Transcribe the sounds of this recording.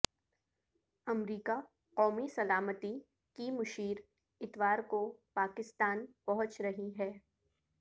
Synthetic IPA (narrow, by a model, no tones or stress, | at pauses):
ɐmɾiːka | qɔːmisɐlaːmət̪i | kimʊʃiːɾ | ɪt̪ʋaːɾkopaːkɪst̪aːnpɐɦʊ̃t͡ʃɾɐɦiɦɛː